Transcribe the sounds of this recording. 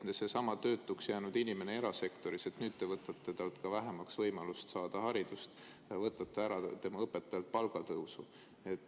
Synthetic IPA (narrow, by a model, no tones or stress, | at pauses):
nese̞sɑmɑt̪ø̞ːt̪ːˑuksjæːnud̪̥inime̞nee̞ɾɑse̞kt̪o̞ɾise̞t̪nyːd̪̥̚t̪e̞vɤt̪ːˑɑt̪ːˑe̞t̪ɑlt̪kɑvæɦemɑksvɤjmɑlust̪sɑːd̪̥ɑhɑɾid̪̥ust̪ | vɤt̪ːˑɑt̪ːˑeæɾɑt̪e̞mɑɤpːet̪ːˑɑjɑlt̪̚pɑlɡ̥ɑt̪ɤwsu | e̞t̪ːˑ